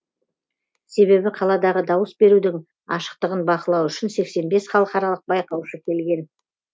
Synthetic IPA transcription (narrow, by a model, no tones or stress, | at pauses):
se̞βe̞bɪqʰɑlˠɑd̪ɑʁəd̪ɑwəsbe̞ɾud̪ɪŋ | ɑʃə̥q̚t̪əʁənbɑqəlˠɑwʏʃɪnse̞kse̞nbe̞sχɑlˠəqɑɾɑlˠəq̚bɑjqɑwʃəkʲʰe̞lɡʲe̞n